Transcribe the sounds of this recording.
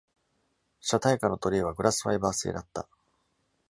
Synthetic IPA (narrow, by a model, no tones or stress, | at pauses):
ɕat̪aikano̞t̪o̞ɾʲiːβ̞aɡɯ̟ɾʔasɨ̥ɸaibaːse̞̰ːd̪at̪ːa